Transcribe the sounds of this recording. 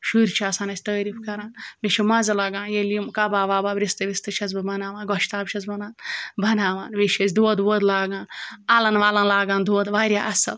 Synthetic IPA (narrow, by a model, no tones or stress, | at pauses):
ʃuɾʲt͡ʃʰaːsaːnɐt͡ʃʲt̪ɐːɾifkɐɾaːnmiʃimɐzɐlɐɡãːnjelimkɐbaːʋaːbaːbɾist̪ɨʋʲist̪ɨʃʰɐzbɨbɐnaːʋaːnɡɔʃt̪aːbʃʰɐzbɐnaːnbɐnaːʋaːnʋiʃesʲd̪oːd̪ʋoːd̪laːɡãːnalɐnʋaːlɐnlaːɡaːnd̪oːd̪ʋaːɾʲjaːʔɐsɐ̰l